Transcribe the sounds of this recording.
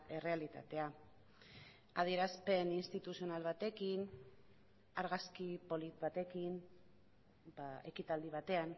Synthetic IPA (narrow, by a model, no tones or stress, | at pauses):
ere̞alit̪a̰t̪e̞a | aðieɾaspe̞ninst̪it̪usio̞nalβ̞at̪e̞kin | aɾɣ̞askipo̞lit̪βat̪e̞kin | bae̞kit̪ald̪iβ̞at̪e̞an